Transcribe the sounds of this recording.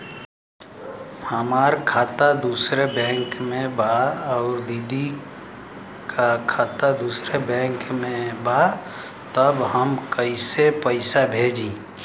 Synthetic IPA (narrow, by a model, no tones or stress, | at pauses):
həmaːɾkʰaːt̪ad̪uːsɾebɛ̃ːŋkmẽbaɔːɾd̪iːd̪ʱi | kakʰaːt̪ad̪uːsɾebɛ̃ːŋkmẽba | t̪əbɦəmkəisepəɪsabʱeːd͡ʒĩː